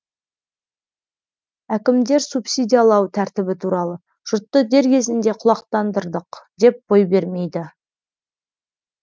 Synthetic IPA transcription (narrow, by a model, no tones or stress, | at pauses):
ækʲɪmd̪e̞ɾsupsʲijd̪ʲijalˠɑwt̪ʰæɾt̪ɪbɪt̪ʰuɾɑlˠə | ʒ̥ʊɾt̪ːəd̪e̞ɾkʲʰe̞zɪnd̪e̞qʰʊlˠɑqt̪ɑnd̪əɾd̪əqd̪e̞p̚b̥o̞jbe̞ɾme̞jd̪ɪ